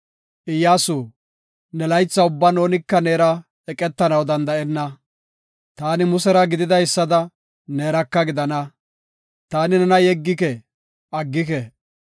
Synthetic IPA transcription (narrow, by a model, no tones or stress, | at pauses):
ʔɪjːaːsuː | nɛlɐjt͡sːɐʊbːɐno̞ːnɪkːɐneːɾɐ | ɛkʼɛt̪ːɐnɐwd̪ɐnd̪ɐɛnːɐ | t̪aːnɪmʊsɛɾɐɡɪd̪ɪd̪ɐjsːɐd̪ɐ | ne̞ːɾɐkːɐɡɪd̪ɐnɐ | t̪aːnɪnɛnɐjɛɡːɪkɛ | ʔɐɡːɪk̬ɛ